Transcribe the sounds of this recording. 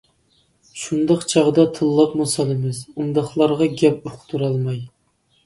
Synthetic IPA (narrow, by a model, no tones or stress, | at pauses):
ʃund̪ɑqt͡ʃʰɑʁd̪ɑt̪ʰɨlˠːɑpmusɑlˠɨmɨzund̪ɑχlˠɑɾʁɑɡʲɛpoqʰt̪ʰuɾɑlˠmɑj